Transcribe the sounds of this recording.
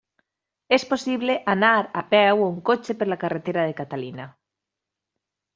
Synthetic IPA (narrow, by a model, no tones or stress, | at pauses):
esposiβleʔanaɾapɛwuŋkot͡ʃepelakaret̪eɾað̞ekat̪alina